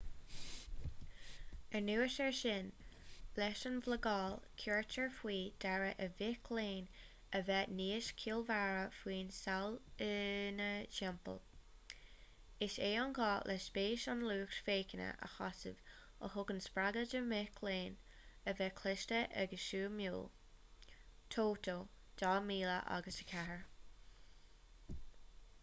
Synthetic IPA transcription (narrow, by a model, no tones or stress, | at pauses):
ɛɹnuːəʃɛɹʃɪnb̥lɛʃənvləɡɑːlkʰuɹt͡ʃəɹfwiːd̪̥aɹəʔəvɪkʰleːn | əvɛniːəʃkʰiːlvaɹəfwiːnsalɪnəʃɛmpə̰l | ɪʃeːɑnɡɑːlʔɛsb̥eːʃɑnluːkʃfeːkənə̰ʔə̰xɑ̰sɪ̰v | ə̰hʊɡənspɾaɡəd͡ʒəmɪkʰleːn | əvɛkʰlɪʃtəʔə̰ɡəʃuːmjṵːl | t̪ʰoːtʰoːd̥ɑːmiːlə̰ʔa̰ɡəsə̥kʰaəɹ